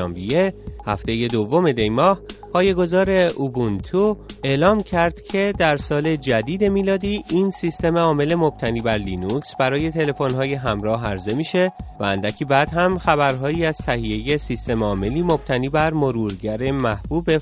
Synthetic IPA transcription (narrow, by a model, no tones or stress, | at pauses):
mbijehæft̪e̞je̞d̪o̞vːo̞me̞d̪e̞jmɒːhpʰɒːje̞ɡo̞zɒːɾe̞ubunt̪ʰue̞lɒːmcʰæɾd̪̥cʰe̞d̪æɾsɒːle̞d͡ʒæd̪iːd̪e̞miːlɒːd̪iːʔinsist̪e̞meɒːme̞le̞mo̞b̥̚t̪ʰæniːbæɾliːnuksbæɾɒːje̞t̪ʰe̞le̞fo̞nɦɒːje̞ɦæmɾɒːɦæɾze̞miːʃe̞væænd̪æcʰibæːd̪ɦæmxæβæɾɦɒːiːæz̥t̪ʰæhije̞je̞sist̪e̞meɒːme̞liːmo̞b̥̚t̪ʰæniːbæɾmo̞ɾuːɾɟæɾe̞mæhb̥uːbe